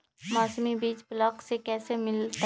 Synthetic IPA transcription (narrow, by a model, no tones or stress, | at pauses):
mɔːsmibiːt͡ʃblɔːksekɛːsemɪlt̪